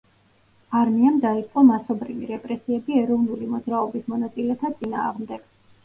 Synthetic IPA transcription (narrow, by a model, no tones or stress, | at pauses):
aɾmiamd̪ait̪sʼqʼɔmasɔbɾivḭɾɛpʼɾɛsiɛbiɛɾɔvnulimɔd̪zɾaɔbismɔnat̪sʼilɛt̪ʰat̪sʼina̰ːʁmd̪ɛɡ̥